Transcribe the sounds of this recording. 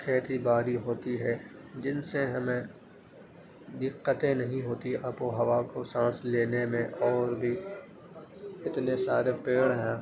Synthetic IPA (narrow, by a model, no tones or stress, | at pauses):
kʰeːt̪ibaːɾiɦoːt̪iɦɛd͡ʒɪnseɦɐmẽ | d̪ɪqːət̪ẽnɐɦĩɦoːt̪iɐpoɦɐʋakosãːsleːnemẽʔɔːɾbʱi | ɪt̪nesaːɾepeːɽɦɛ̃ː